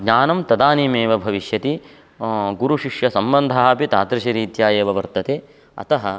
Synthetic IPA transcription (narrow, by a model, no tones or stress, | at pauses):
ɡɲaːnɐmt̪ɐd̪aːnimeːʋɐbʱɐʋiʃjɐt̪i | ɡuɾuʃiʂjɐsɐmbɐnd̪ʱaapit̪a̰ːt̪ɾɐʃiɾiːt̪jaːjeːʋɐʋɐɾt̪ɐt̪eː | ɐ̰t̪ɐɦɐ